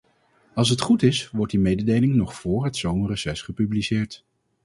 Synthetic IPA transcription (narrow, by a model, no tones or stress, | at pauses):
ɑlˠs̬ɦətχutɪsʋɔɹ̚dimejdədejlɪŋnɔχfʊːɹɦətsownrəsɛsχəpyblisɪːɹt